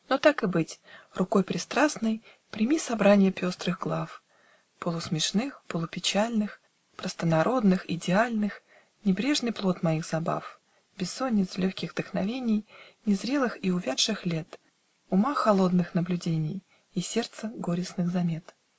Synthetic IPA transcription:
not̪akɨbɨtʲrʊko̞jpɾʲɪst̪ɾasnɨj | pɾʲɪmʲisɐbɾanʲɪjəpʲo̞st̪ɾɨɣɡlˠaf | pəlˠʊsmʲɪʂnɨxpəlˠʊpʲɪt͡ɕalʲnɨx | pɾəst̪ənɐɾʔo̞d̪nɨxɪ̰dʲɪalʲnɨx | nʲɪbɾʲe̞ʐnɨjplˠo̞t̪mɐiɣzɐba̰f | bʲɪsːonʲːɪt̪slʲoxʲkʲɪɣd̪əxnɐvʲenʲɪjnʲɪzɾʲe̞lˠɨxiʊvʲat̪ʂɨxlʲe̞t̪ | ʊmaxɐlˠo̞d̪nɨxnəblʲʉdʲenʲɪj | isʲe̞rt̪səɡoɾʲɪsnɨɣzɐmʲe̞t̪

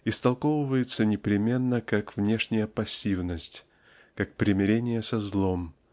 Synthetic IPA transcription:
ɪst̪ɐlˠkovɨvəjɪt̪sənʲɪpɾʲɪmʲe̞nːəkakvnʲe̞ʂnʲɪjəpɐsʲːivnəsʲtʲ | kak̚pɾʲɪmʲɪɾʲenʲɪjəsɐzlˠom

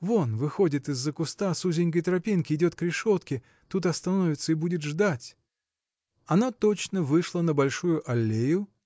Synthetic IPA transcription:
vo̞nvɨxo̞dʲɪt̪ɨzːəkʊst̪asuzʲɪnʲk̬əjt̪ɾɐpʲinkʲɪɪdʲo̞t̪kɾʲɪʂo̞t̪kʲɪ | t̪ut̪ɐst̪ɐnovʲɪt̪səɪbudʲɪt̪ʐd̪atʲ | ɐnat̪ot͡ɕnəvɨʂlˠənəbɐlʲʂujʊʔɐlʲːejʊ

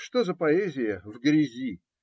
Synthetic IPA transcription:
ʂt̪ozəpɐɛzʲɪjəvɡɾʲɪzʲi

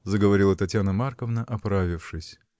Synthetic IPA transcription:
zəɡəvɐɾʲilˠət̪ɐtʲjanəmarkəvnəʔɐpɾavʲɪfʂɨsʲ

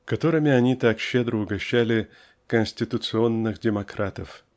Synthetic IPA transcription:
kɐt̪o̞ɾɨmʲɪɐnʲit̪akɕːed̪ɾəʊɡɐɕːælʲɪ | kənʲsʲtʲɪt̪ʊt̪sɨo̞nːɨxdʲɪmɐkɾat̪əf

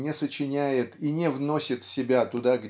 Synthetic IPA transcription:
nʲɪsət͡ɕɪnʲæjɪt̪inʲɪvno̞sʲɪt̪fsʲɪbʲat̪ʊd̪aɡ

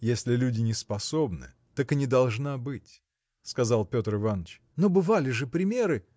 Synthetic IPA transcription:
jesʲlʲɪlʲudʲɪnʲɪspɐsobnɨ̰ | t̪akɨnʲɪd̪ɐlˠʐnabɨtʲ | skɐzalˠpʲo̞t̪rɨvanət͡ɕ | nobɨvalʲɪʐɨpɾʲɪmʲeɾɨ

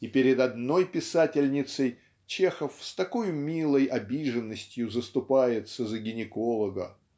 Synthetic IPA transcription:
ipʲɪɾʲɪd̪ɐd̪no̞jpʲɪsatʲɪlʲnʲɪt̪səj | t͡ɕe̞xəfst̪ɐko̞jʊmʲilˠəjʔɐbʲiʐənːəsʲtʲjʊzəst̪ʊpajɪt̪səzəɡʲɪnʲɪko̞lˠəɡə

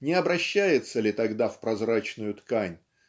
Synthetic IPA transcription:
nʲɪɐbɾɐɕːæjɪt̪səlʲɪt̪ɐɡd̪afpɾɐzɾat͡ɕnʊjʊt̪kanʲ

